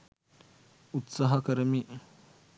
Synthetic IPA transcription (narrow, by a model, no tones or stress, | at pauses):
ut̪saɦɐkəɾəmi